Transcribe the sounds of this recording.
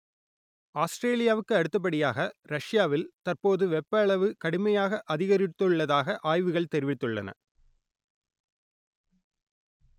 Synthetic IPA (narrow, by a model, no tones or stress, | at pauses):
aːsʈɾeːlɪjaːʋɯkːɯɐɽɯt̪ːɐp̬ːɐɽɪjaːɣɐɾɐʂjaːʋɪlt̪ɐrpoːðɯʋɛpːɐɭɐʋɯkɐɽɯmɐjaːɣɐʔɐðɪɣɐɾɪt̪ːɯɭːɐðaːɣɐʔaːjʋɯɣɐɭt̪ɛɾɪʋɪt̪ːɯɭːɐ̰nɐ̰